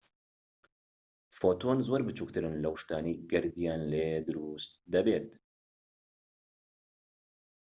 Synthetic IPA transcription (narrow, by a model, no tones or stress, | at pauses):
foːt̪oːnzoɾbɨt͡ʃuːk̚t̪ɨɾɨnlɐwʃt̪aːniːɡɛɾd̪ijaːnleːd̪ɨɾuːst̪d̪ɐbeːt̪